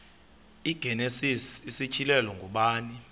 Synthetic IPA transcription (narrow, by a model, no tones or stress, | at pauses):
iɡ̥ʱɛnesisisit͡ʃʰilɛlɔŋɡʱuɓaːni